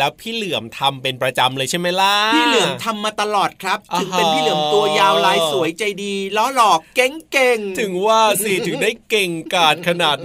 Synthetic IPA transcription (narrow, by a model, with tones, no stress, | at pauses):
ɛː˦˥wpʰiː˥˩lɯ˨˩˦əmt̪ʰa˧mpe˧npɾa˧t͡ɕa˧mlɤː˧jt͡ɕʰa˥˩jma˦˥jla˦˥pʰiː˥˩lɯ˨˩˦əmt̪ʰa˧mːaː˧t̪a˧lɔː˨˩t̪̚kʰɾa˦˥p̚t̪ːʰɯ˩˦e˧nppʰiː˥˩lɯ˩˦əmt̪u˧ɐjaː˧wlaː˧jsu˩˦jt͡ɕa˧jdiː˧lɔ˦˥lɔː˨˩kːe˦˥ŋke˧ŋt̪ʰɯ˨˩˦ŋwaː˥˩si˨˩t̪ʰɯ˩˦ŋdaː˥˩jke˨˩ŋkaː˨˩t̪̚kʰa˧naː˨˩t̪̚